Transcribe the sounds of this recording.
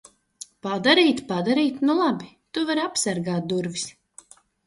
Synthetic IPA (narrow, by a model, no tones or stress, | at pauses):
pad̪aɾiːt̪pad̪aɾiːt̪nulˠabi | t̪uvaɾapsaɾɡaːt̪̚d̪uɾvis